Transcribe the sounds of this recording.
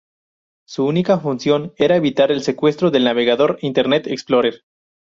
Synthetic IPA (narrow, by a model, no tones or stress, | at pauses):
suunikafunsjo̞ne̞ɾaeβit̪aɾe̞lse̞kwe̞st̪ɾoðe̞lnaβe̞ɣaðo̞ɾint̪eɾnet̪eksploɾeɾ